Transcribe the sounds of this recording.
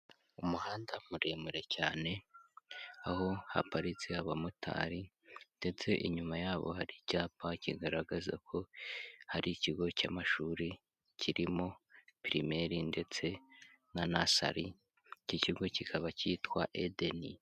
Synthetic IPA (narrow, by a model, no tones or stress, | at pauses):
umuhaːndamuɾe̞muɾe̞caːne̞ | aho̞ha̰paɾit͡siaβamutʰa̰ːɾi | nde̞t͡se̞ʔiɲumajaːβo̞̰haɾicaːpaciɡaɾaɡaza̰kʰo̞haɾiciɡo̞camaʃuːɾi | cʰiɾimo̞piɾime̞ɾinde̞t͡se̞ | nanasa̰ɾi | cociɡo̞cikʰaβaciːtkwaʔedeni